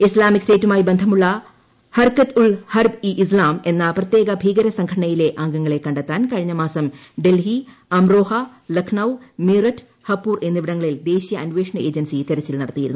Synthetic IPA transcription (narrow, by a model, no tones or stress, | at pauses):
islaːmiksteːtːumaːjibe̞nd̪ʱɐmuɭːɐ | hɐrkɐt̪uɭhɐrbiʔislaːme̞nːɐprɐt̪je̞ːɣɐbʱiːɡɐɾɐsɐŋɡʰɐɽɐɳɐjile̞ʔaːŋɡɐŋːɐɭe̞kːɐɳɖɐt̪ːaːnkɐɻiɲːɐmaːsɐmɖe̞lɦi | ɐmroːhɐ | lɐkʰɳɐwmiːrɐtː | hɐpːuːre̞nːiʋiɽɐŋːɐɭild̪e̞ːɕijɐɐnʋeːʂɳɐe̞ːd͡ʑɐnsit̪eɾɐt͡ɕːilnɐɽɐt̪ːijiɾunːu